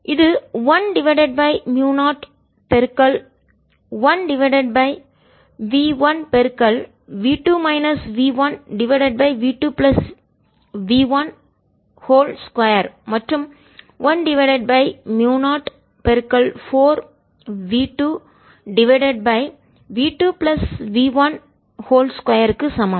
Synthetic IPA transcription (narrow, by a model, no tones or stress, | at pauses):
ʔɪðɯʋɐnɖɪʋɐɪɖeɖ̚bɐɪmjuːnaːʈ | pɛɾkɐl | ʋɐnɖɪʋɐɪɖeɖ̚bɐɪ | ʋiːʋɐ̃npɛɾkɐl | ʋiːʈuːmɐɪnɐsʋiːʋɐ̃nɖɪʋɐɪɖeɖ̚bɐɪʋiːʈuːplɐs | ʋiːʋɐ̃n | hoːlskwɐjɐɾmɐʈɾɯm | ʋɐnɖɪʋɐɪɖɛɖ̚bɐɪmjuːnaːʈ | pɛɾkɐlfoːɾ | ʋiːʈuː | ɖɪʋɐɪɖeɖ̚bɐɪ | ʋiːʈuːplɐsʋiːʋɐn | hoːlskwɐjɐɾkːɯsɐmɐm